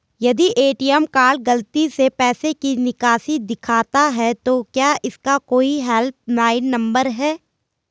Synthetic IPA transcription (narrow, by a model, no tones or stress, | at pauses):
jɐd̪iʔeːʈiɛmkaːlɡɐlt̪isepɛːsekinɪkaːsid̪ɪkʰaːt̪aɦɛt̪okjaːʔɪskakoːiɦɛlp̚naːɪnːɐ̃mbəɾɦɛː